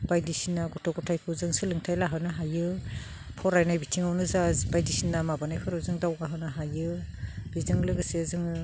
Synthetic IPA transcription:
b̥ajdisinaɡɔtʰɔɡɔtʰajpʰɯzɯŋsɯlɯŋtʰajlaɦɯnaɦajɯ | pʰɔɾajnajbitʰiŋawnɯzabajdisinːamabanajpʰɯɾawzɯŋdawɡaɦɯnaɦajɯbizɯŋlɯɡɯsezɯŋ

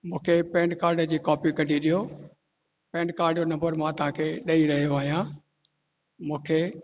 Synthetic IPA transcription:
mũːkʰepɛ̃ːɳɖkaːɾɖd͡ʑiːkɔːpikɐɖʱiɗijo | pɛ̃ːɳɖ̚kaːɾɖonɐ̃mbəɾmãt̪ɐɦãːkʰeːɗɐiɾɐɦijoaːɦijãː | mũːkʰeː

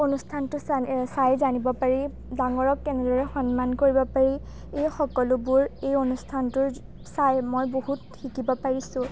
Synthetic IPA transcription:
onustʰantʊsajzanibɔpaɹi | daŋɔɹɔkːɛnɛdɔɹɛxɔnmankoɹibɔpaɹi | ejxɔkɔlʊbʊɹejonustʰantʊɹ | sajmojbohutxikibɔpaɹisʊ̃

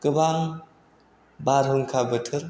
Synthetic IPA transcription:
kɯbaŋ | baɾɦɯŋkʰabɯtʰɯɾ

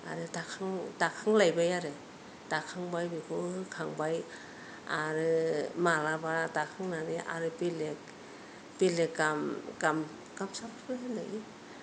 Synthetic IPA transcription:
a̰ɾɯdakʰaŋdakʰaŋlajbajaɾɯ | d̥akʰaŋbajbikʰɯkʰaŋbaj | aɾɯmalabadakʰɯŋnaniʔa̰ɾɯbilek | b̥ilekamɡam | ɡamsapʰɯpʰɯɾhenda̰ɡi

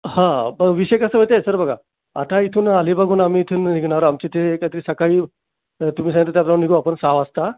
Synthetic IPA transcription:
hãbəʋiɕjekəsəʋət̪̬asəɾbəɡʱa̰ | a̰t̪ait̪ʰuːnalibəɡʱuːnamiːt̪ʰuːnniɡʱnaɾoamt͡ɕit̪eːkat̪əɾisəkaiː | t̪umiːsãɡət̪ət̪japnaniɡʱoapəɳsaʋast̪a

